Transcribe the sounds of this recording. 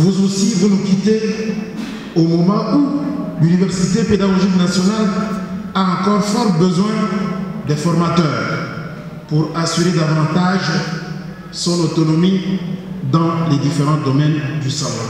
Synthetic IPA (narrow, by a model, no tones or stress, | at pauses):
vuzosivunukʲit̪e | omɔmɑ̃ulynivɛʁsit̪eped̪aɡɔʒiknasjɔnal | aɑ̃kɔʁfɔʁbəzwɛ̃d̪ɛfɔʁmat̪œːʁ | puʁasyʁed̪avɑ̃t̪aʒ | sɔ̃not̪ɔnɔmi | d̪ɑ̃lɛd̪ifeʁɑ̃d̪ɔmɛnd̪ysɔl